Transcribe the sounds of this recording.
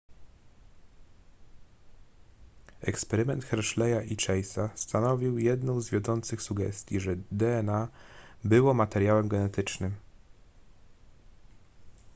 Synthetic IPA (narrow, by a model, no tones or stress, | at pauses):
ɛkspɛɾɘmɛnt̪xɛɾʂlɛjaʔit͡ʂɛjsast̪anɔvʲiwjɛd̪nɔ̃w̃zvʲjɔd̪ɔnt̪sɘxsuɡɛ̰st̪ʲjiʐɛd̪ɛɛnabɘwɔmat̪ɛɾjawɛmɡɛnɛt̪ɘt͡ʂnɘm